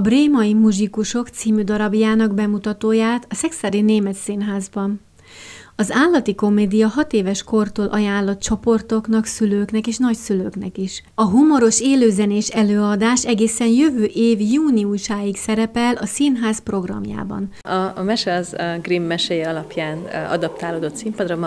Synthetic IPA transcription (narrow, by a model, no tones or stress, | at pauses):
breːmɒjimuʒikuʃo̞kt̪siːmyd̪ɒɾɒbjaːnɒɡbɛmut̪ɒt̪oːjaːt̪ɒsɛksaːɾineːmɛt̪sinɦaːzbɒn | ɒzaːlːɒt̪iko̞meːd̪ijɒɦɒt̪eːvɛʃko̞rt̪oːlʔɒjaːnlːɒt̪̚t͡ʃo̞po̞rt̪o̞knɒksyløːknɛkeːʃnɒcsyløːknɛ̰kiʃ | ɒɦumo̞ɾo̞ʃeːløːzɛneːʃɛløːɒd̪aːʃɛɡeːsɛnjøvøːʔeːvjuːniuʃaːjiksɛɾɛpɛlʔɒsinɦaːzpro̞ɡrɒ̰mja̰ːbɒ̰n | ɒmɛʃɛɒzɡrimːɛʃɛjɛɒlɒpjaːnɒ̰d̪ɒp̚t̪aːloːd̪o̞t̪simpɒd̪rɒm